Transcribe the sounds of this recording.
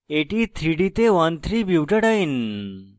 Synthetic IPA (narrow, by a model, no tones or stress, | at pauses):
eʈit̪ʰɾiɽit̪eʋant̪ʰɾibiwʈəɽain